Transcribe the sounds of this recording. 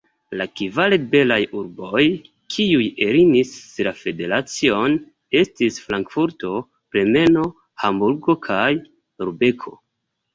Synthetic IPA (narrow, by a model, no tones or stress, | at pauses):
lakivalebe̞lajuɾbo̞j | kʰiujeɾinislafe̞de̞ɾat͡sio̞n | e̞stisfɾaŋkfuɾto̞ | pɾe̞me̞no̞ | hambuɾɡo̞kʰaj | uɾbe̞kʰo̞